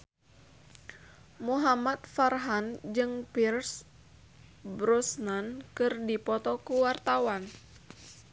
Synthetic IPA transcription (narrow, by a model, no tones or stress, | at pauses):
muɦamat̪̚farɦand͡ʒɨŋpirs | bɾɔsnankɨrdipɔt̪ɔkuwart̪awan